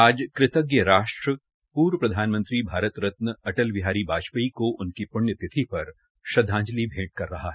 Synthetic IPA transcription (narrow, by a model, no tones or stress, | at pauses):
aːd͡ʒkɾɪt̪əɡjəɾaːʃʈɾə | puːɾwpɾɐd̪ʱaːnmə̃nt̪ɾibʱaːɾət̪ɾɐt̪nəɐʈəlʋɪɦaːɾibaːd͡ʒpəikoʔʊnkipʊɳjət̪ɪt̪ʰipɐɾ | ʃɐd̪ʱːãːɲd͡ʒlibʱẽːʈ̚kɐɾːɐɦaɦɛː